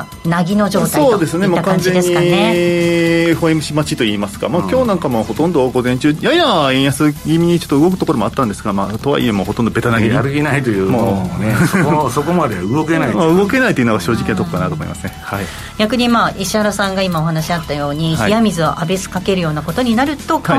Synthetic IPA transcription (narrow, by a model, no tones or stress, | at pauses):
naɡʲino̞ʑo̞ːtsao̞ːd̪e̞sɨnemokãnzẽ̞d̪eɲːi | ɸoimɯ̟ɕimat͡ɕit̪oiːmasɨ̥ɡa̰maːkʲo̞ːnãŋkamoho̞t̪õ̞nd̪oɡo̞zẽ̞ɲ̟t͡ɕɨːjaiaẽjasɨɡʲimʲiɲ̟it͡ɕot̪ːoɯ̟ɡo̞kɯ̟̥t̪o̞ko̞ɾo̞moa̰t̪ːãnd̪esɨɡama̰ːt̪o̞βa̰ḭe̞moho̞t̪õnd̪o̞be̞t̪anaɡiiɾɯɡʲinait̪ojɯːmoːnessokomad̪eɯɡokenaimaɯ̟ɡo̞ke̞nait̪oiɯ̟noɡaɕo̞ːʑikʲinat̪okokanat̪oːmo̰ḭmasɨnehai | ɡʲakɯ̟ɲ̟imaːʔiɕiaɾasãŋɡaimao̞ɦanaɕiat̪ːajo̞ːɲ̟ihiamʲizɨaʔabe̞sɨ̥kake̞ɾɯ̟jo̞ːnako̞t̪o̞ɲ̟inaɾɯ̟t̪o̞kha